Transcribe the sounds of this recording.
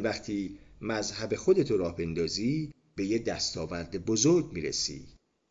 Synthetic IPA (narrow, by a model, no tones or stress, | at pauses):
væχt̪ʰiːmæzhæbe̞xo̞d̪e̞t̪ʰoɾɒːhbe̞nd̪ɒːziː | b̥e̞jed̪æst̪ɒːvæɾd̪ebozoɾɡmiːɾḛsḭː